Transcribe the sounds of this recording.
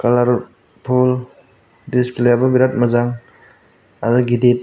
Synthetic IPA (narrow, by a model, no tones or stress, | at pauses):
kalaɾ | pʰul | displjababiɾat̚mazaŋ | adɔɡidet̚